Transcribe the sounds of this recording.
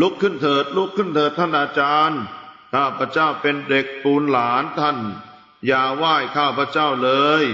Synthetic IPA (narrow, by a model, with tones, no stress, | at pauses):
lu˦˥kʰːɯ˥˩nt̪ʰɤː˨˩t̪̚lu˦˥˩kʰːɯ˥˩nt̪ʰɤː˨˩t̪ʰːa˥˩nʔaː˧t͡ɕaː˧nkʰaː˥˩pʰɾa˧˥t͡ɕaː˥˩wpe˧nde˨˩k̚t̪uː˧nlaː˩˦nt̪ʰa˥˩n | jaː˨˩waː˥˩jkʰaː˥˩pʰɾa˧˥t͡ɕaː˥˩wlɤː˧j